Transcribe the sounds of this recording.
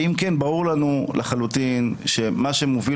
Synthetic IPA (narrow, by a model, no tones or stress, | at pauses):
imkenbauʁlanulaχalutinʃe̞maʃemovi